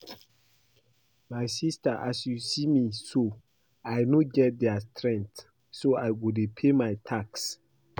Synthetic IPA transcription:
majsistaʔa̰sjusimiso | ajnoɡɛt̚dɛastɹɛ̃nt | soajɡudepʰemajtʰaks

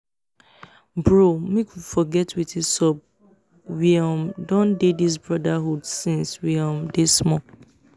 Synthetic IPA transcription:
bɹomikʰufɔɡɛtʰwitisɔb̚ | wiɔ̃mdɔ̃ndedis̬bɹɔdaɦudsĩnswiɔ̃mdesmɔ

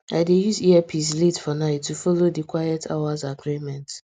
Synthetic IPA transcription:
a̰ɪdejuziɛpʰizletfɔnaɪtːufɔlodikwajɛtʰa̰wazaɡɹimɛ̃nt

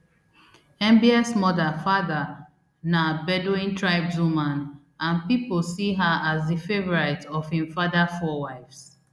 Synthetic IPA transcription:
ɛ̃mbiasmɔðafaða | nabɛdoĩntʰɹaɪbsumãn | ãnpipolsiɦaazðifevɔɹatɔvhĩmfadafɔwaɪfs

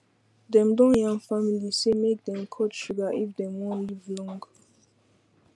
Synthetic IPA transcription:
dɛ̃mdɔ̃njãŋfamilisemek̚d̪ɛ̃mkʰɔtʃuɡaʔifdɛ̃mwɔ̃nlivlɔ̃ŋɡ

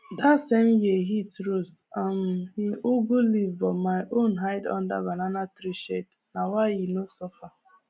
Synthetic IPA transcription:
datsemjiɦitɾostamhiʔuɡulivbɔmaɪʔõnɦaɪdɔ̰̃nda̰bananatɾiʃed̚ | nawaɪjinosɔfa

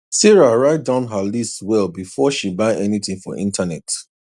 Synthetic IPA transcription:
siɹaɹaɪt̚dãʊ̃nɦalistwɛlˠbifɔʃibaɪʔɛniθĩŋfɔ̰ʔḭ̃ntanɛt

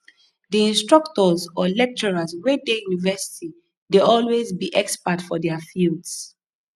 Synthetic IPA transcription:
diĩnstɹ̥ʌktɔzɔlɛk̚t͡ʃɔɹazwedejunivɛsi̥tʰi | deɔlwezbiʔɛkspatfɔdɛafildz

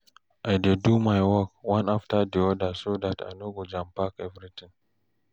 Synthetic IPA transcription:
ʔajdedumajwɔkwãnaftadiɔdasodata̰jnoɡod͡ʒãmpakɛvɾit̪ɪ̃ŋ

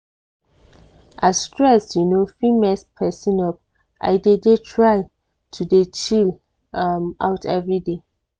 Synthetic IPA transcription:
ʔasstɹɛsjunofimɛspʰɛsĩnɔp̚ | ʔa̰ɪdedetʰɹaj | tʰudet͡ʃil | ama̰wtʰɛvɹide

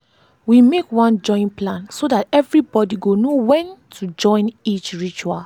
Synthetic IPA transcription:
wimekwɔ̃nd͡ʒɔ̃ĩnplãnsodatɛvɹibɔdiɡonowɛ̃ntʰud͡ʒɔ̃ɪ̃nit͡ʃɹit͡ʃual

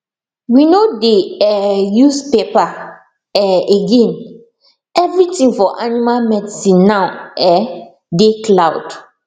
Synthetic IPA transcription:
winodeɛjuspepa | ɛeɡɛ̃n | ɛvɾitĩŋfɔʔanimalmɛdsĩnːãʊɛ | deklaʊd̥

